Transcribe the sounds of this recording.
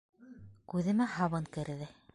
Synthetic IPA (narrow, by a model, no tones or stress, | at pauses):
kʉðɘ̆mæhɑβɤŋkɘ̆ɾðɘ